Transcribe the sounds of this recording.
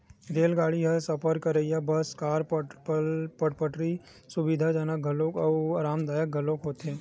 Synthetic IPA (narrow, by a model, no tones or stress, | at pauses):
ɾeːlɡaːɽiɦəsɐpəɾkəɾəijabɐskaːɾ | pəʈpəʈɾi | sʊbɪd̪ʱad͡ʒaːnaɡʱɐlõkɔɾaːmd̪aːjək̚ɡʱɐlõkɦoːt̪ẽː